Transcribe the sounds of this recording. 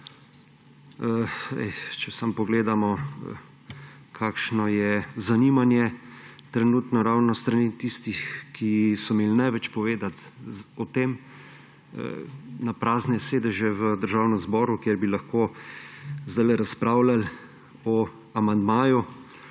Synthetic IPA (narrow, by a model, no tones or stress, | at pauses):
əɛ̰t͡ʃɛsampɔɡleːd̪amɔ | kʰaːkʃnɔjɛzanimanjɛt̪ɾɛnuːt̪nɔɾawnɔst̪ɾaniːt̪ist̪ixkʰisɔmelnɛʋɛt͡ʃpɔʋeːd̪at̪ɔt̪eːm | ə̰napɾaːznɛseːd̪ɛʒjɛʋəd̪əɾʒaːwnɛmzbɔːɾukjeɾbilaxko | zd̪ajlɛɾaspɾaːwlal | ɔ | amand̪maːju